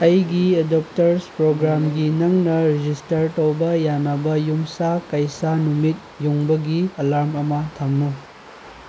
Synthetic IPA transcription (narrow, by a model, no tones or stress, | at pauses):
ɐjɡiedop̚tɐɾspɾoɡɾamɡinɐŋnɐɾid͡ʒistɐɾtowbɐjanɐbɐjumsakɐjsanumit̚juŋbɐɡiɐlaɾmɐmɐtʰɐmnu